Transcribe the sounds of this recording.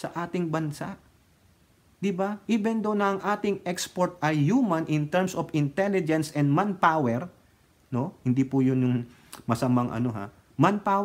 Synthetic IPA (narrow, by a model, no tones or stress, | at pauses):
sɐʔaːt̪ɪŋbɐnsa̰ʔ | d̪ɪbaʔɪbɛnd̪ownɐʔɐŋʔaːt̪ɪŋɛkspoɹt̪̚ɐjjuːmɐ̃nʔɪnt̪ɛɹmsofɪnt̪ɛlɪd͡ʒɛnsɛnd̪manpawɛɾ | no̞hɪnd̪ipʊjʊnjʊŋ | mɐsɐmaŋʔɐ̰no̞ɦa̰ | manpaːw